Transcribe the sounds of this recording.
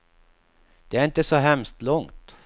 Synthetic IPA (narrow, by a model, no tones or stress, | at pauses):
d̪̥ɛæɾɪnt̪əsɔɦɛmst̪lɔŋt̪